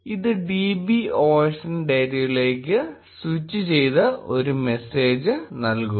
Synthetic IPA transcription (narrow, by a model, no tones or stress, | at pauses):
iðɨɖiːbioːʂɐnɖɐjɾijile̞ːkːɨ | swit͡ɕːit͡ɕe̞jt̪ɐo̞ɾume̞se̞ːd͡ʑɨnɐlku